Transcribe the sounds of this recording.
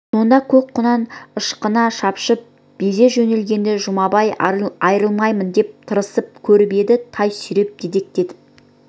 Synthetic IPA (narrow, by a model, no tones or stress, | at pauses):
so̞nd̪ɑkʲʰɵk̚qʰʊnɑnəʃqənɑʃɑpʃəp̚ | b̥eze̞ʒɵne̞lɡʲe̞nd̪eʒʊmɑbɑjɑjɾəlˠmɑjmənd̪e̞p̚t̪ʰəɾəsəp̚kʲʰɵɾbe̞d̪ɪt̪ʰɑjsʏɾe̞p̚d̪ed̪e̞k̚t̪e̞d̪ɪ